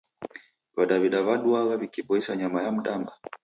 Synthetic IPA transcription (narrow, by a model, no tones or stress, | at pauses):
βaɗaβiɗaβaɗuaɣaβikiɓɔisaɲamajam̩ɗamba